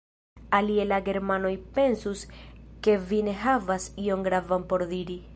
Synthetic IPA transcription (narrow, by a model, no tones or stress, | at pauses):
alielaɡe̞ɾmano̞jpe̞nsuske̞vine̞ɦavasio̞ŋɡɾavampo̞ɾd̪iɾi